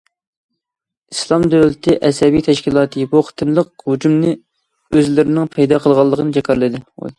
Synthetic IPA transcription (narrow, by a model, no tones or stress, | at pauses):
islˠɑmd̪æwlɪt̪ʰɪʔɛsɛbijt̪ʰɛʃkʲilˠɑːt̪ʰɨbuχʰə̥t̪ʰɨnlˠəq̚hud͡ʒumnɪ | øzlɪɾɪnɪŋpʰɛjd̪ɑːqʰəlˠʁɑlˠːəqʰənɨd͡ʒɛkʲʰɑɾlˠɨd̪ɪo̰